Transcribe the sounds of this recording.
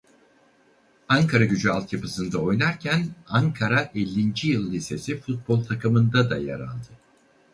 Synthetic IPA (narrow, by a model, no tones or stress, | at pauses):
aŋkʰaɾaɟyd͡ʒyalˠt̪ʰjapɯsɯnd̪ao̞jnaɾcʰænaŋkʰaɾaʔɛlʲːind͡ʒijɯlˠːise̞sifut̪̚bo̞lˠt̪ʰakʰɯmɯnd̪ad̪aja̰ɾa̰lˠd̪ɯ